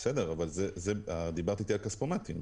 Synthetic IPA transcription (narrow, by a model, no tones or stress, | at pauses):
sed̪eʁavalzezed̪ibaʁt̪it̪elkaspomat̪im